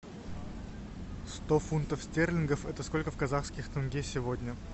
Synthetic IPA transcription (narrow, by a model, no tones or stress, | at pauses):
st̪ofunt̪əfsʲtʲerlʲɪnɡəfɛt̪əsko̞lʲkəfkɐzaxskʲɪxt̪ɐnɡʲesʲɪvodʲnʲə